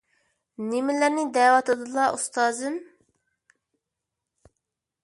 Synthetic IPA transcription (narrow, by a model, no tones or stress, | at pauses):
nemɪlæɾnɪd̪ɛːwɑt̪lˠɨd̪ɨlˠɑʔust̪ɑːzɨn